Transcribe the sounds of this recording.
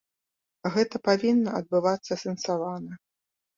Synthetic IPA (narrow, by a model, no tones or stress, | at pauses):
ɣɛt̪ɐpavʲinːɐɐd̪̚bɨvat̪sːɐsʲɛnsavanɐ